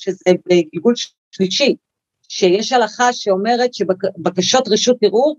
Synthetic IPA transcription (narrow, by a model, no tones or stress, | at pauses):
ʃezebeɡilɡulʃ | liʃi | ʃejeʃhalaχaʃeo̞me̞ʁe̞tʃebabakaʃo̞tʁeʃutiʁu